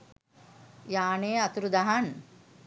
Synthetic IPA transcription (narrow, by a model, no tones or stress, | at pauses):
jaːneːɐt̪ɾud̪ɐɦan